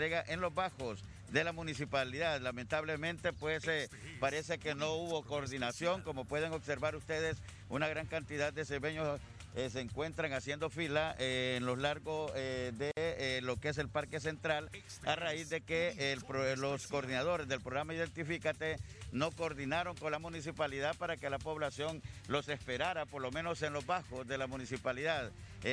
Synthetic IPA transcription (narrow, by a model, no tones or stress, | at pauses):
ɾeɣaʔe̞nlo̞zβaxos | d̪e̞lamũnis̬ipaliðaðlame̞nt̪aβle̞mẽ̞nt̪e̞pwe̞sepaɾe̞se̞ke̞no̞uβo̞koːɾðinasjo̞ŋko̞mo̞pwe̞ð̞e̞ŋobse̞ɾβaɾust̪e̞ðe̞s | ṵnaɣɾaŋkant̪iðad̪ːeseβeɲo | eseːŋkwe̞nt̪ɾaŋasjend̪o̞filaeːnlo̞zlaɾɣosd̪elo̞kees̬e̞lpaɾke̞s̬e̞nt̪ɾal | araizd̪e̞keplo̞skoːɾðinað̞o̞ɾe̞zðe̞lpɾoɣɾamaiðe̞nt̪ifikat̪e̞no̞koːɾðinaɾo̞ŋko̞nlamunis̬ipaliðaðpaɾake̞lapo̞βlasjo̞ŋlo̞se̞spe̞ɾaɾapo̞ɾlo̞mẽ̞no̞se̞nlo̞zβaxozðe̞lamunisipaliðað